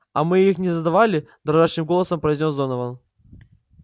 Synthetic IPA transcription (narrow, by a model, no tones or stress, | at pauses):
ɐ̰mɨixnʲɪzəd̪ɐvalʲɪ | d̪ɾaʐaʂnɨmɡolˠəsəmpɾəizʲnʲo̞sd̪onəvən